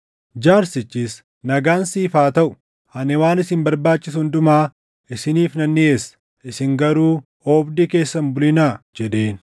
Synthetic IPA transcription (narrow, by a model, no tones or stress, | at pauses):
d͡ʒaːɾsɪt͡ʃːis | nɐɡaːnsiːfaːt̪ɐʔʊ̥ | hɐnɛwaːnɪsɪmbɐɾbaːt͡ʃːɪshʊnd̪ʊmaː | ʔɪsɪniːfnɐnːɪeːsɐ̥ | ɪsɪŋɡɐɾuː | oːbd̪ike̞ːsːɐmbʊlɪnaːd͡ʒɛd̪eːn